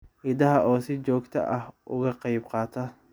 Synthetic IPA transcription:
hɪd̪ɐɦɐʔɔːsɪt͡ʃɔːɡt̪ʰɐ̰ʔɐhʔʊɣɐqɑjbqɑːt̪ʰɐ

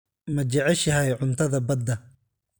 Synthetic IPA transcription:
mɐt͡ʃɐʕɛʃɐɦɛjʕʊnt̪ʰɐðɐbɐd̪ːɐ

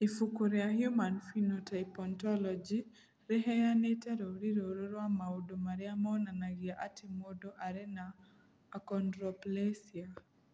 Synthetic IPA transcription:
ifukuɾeahjumanfinotʰajpɔntɔlɔd͡ʒi | ɾɛɦɛjanetɛɾooɾiɾoɾoɾwamaodomaɾeamɔnanaɣiaʔatʰimodoʔaɾɛnaː | kɔndɾɔplesia

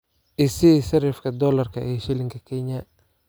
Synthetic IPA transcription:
ʔɪsisɐɾɛfkʰɐd̪ɔːlɐrkʰɐɛʃɪlɪŋkʰɐkʰɛɲɐ

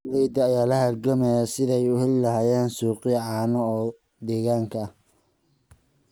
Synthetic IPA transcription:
lɛjd̪ɐːjaːlɐhɐrɡɐmɛjɐsɪðɛjʊhɛllɐɦaːjɛːnsuːqɪʕɑːnɔː | d̪ɛːɣaːŋkʰɐɐh

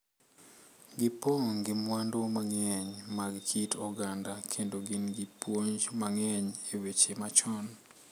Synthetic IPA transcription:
ɡɪpoŋɡɪmwandomaŋɛɲmaɡkʰitɔɡandakʰendoɡɪnɡɪpwoɲd͡ʒmaŋɛɲewet͡ʃemat͡ʃɔn

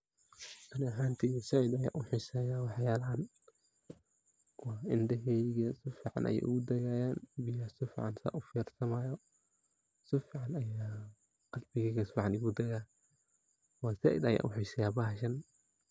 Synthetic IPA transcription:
ʔɐnɐɦaːnt̪ʰijɛsɐʕɪd̪ɐja̰ːʔʊħɪsɐːjaːwɑħjaːlɐɦɐn | wɑːɪnd̪ɐɦɛjɣɐsɪfiːʕɑ̰nʔɐ̰jɛ̰ʔʊɣʊd̪ɐɣaːjaːnbɪjaːsɪfɪːʕɑnsa̰ʔʊfɛːrsɐmaːjɔ | sɪfiːʕɑnɐjaː | qɑlbɪɣɛːɣɐsɪfiʕɑnɪɣʊd̪ɐɣaː | wɑːsɐʕɪ̰d̪ɐja̰ːʔʊħɪsɛjaːbɐhʃɐn

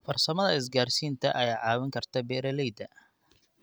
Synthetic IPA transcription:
fɐrsɐmɐðɐɪs̬ɡaːrsiːnt̪ʰɐʔɐjaːʕɑːwɪŋkʰɐrt̪ʰɐbɛːɾɐlɛjd̪ɐ

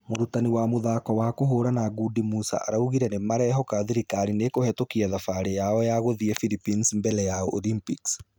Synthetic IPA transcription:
moɾutaniwamoðaːkɔwaːkoɦoɾanaɡudimusa̰ʔaɾauɣiɾɛnemaɾɛɦɔkaðiɾikaɾinekohɛtokiaðafaɾejaɔjaɣoðiɛfilipinsmbɛlɛjaɔʔolimpiks

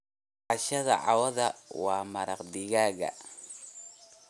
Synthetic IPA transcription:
ʔɑʃɐðɐ̰ʕɑ̰wɐðɐwɑːmɐɾɑqd̪ɪɣaːɣɐ̰

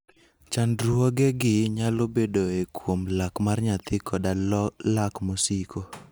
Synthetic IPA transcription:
t͡ʃandɾwɔɡɛɡɪɲalobedoekwomlakmarɲat̪ɪkʰɔdalakmosikʰo

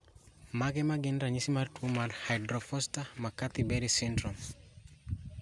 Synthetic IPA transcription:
maɡɛmaɡɛndɾaɲisimartʰumaɾhajdɾɔfɔstamakat̪ibɛɾisɛndɾɔm

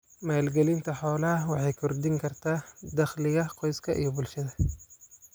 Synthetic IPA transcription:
maːlɡɛlɪnt̪ʰɐħɔːlɐɐwɑħɑjkʰʊrd̪ɪŋkʰɐrt̪ʰaːd̪ɐχlɪɣɐqɔjskʰɐʔḭjɔbʊlʃɐðɐ

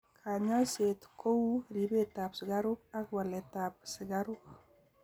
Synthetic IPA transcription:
kʰaɲaset̪kʰouɾibet̪apsiɡaɾuk̚akwalet̪ap̚siɡaɾuk̚

